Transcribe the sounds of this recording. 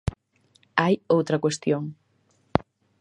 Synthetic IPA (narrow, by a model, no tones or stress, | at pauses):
ajowt̪ɾɐkwest̪joŋ